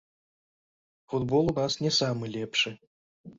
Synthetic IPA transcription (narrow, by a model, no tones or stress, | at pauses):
fud̪bɔlˠunasnʲɛsamɨlʲɛpʂɨ